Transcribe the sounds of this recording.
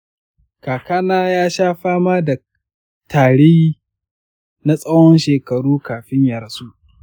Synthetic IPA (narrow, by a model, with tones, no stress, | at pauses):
kaː˨kaː˦naː˦jaː˦ʃaː˦ɸaː˦maː˦da˨ | taː˨ɽɪ˦jiː˦ | na˦sʼɐ˦wɔ˦nʃeː˨kɐ˨ɽuː˦kaː˨ɸɪ˦ɲjɐ˨ɾsuː˦ʔ